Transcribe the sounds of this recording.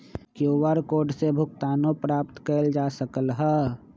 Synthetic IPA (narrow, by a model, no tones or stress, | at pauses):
kjoʋaɾkoːɖsebʱʊɡt̪aːnõpɾaːpt̪kəld͡ʒaːsəkəlɦɛ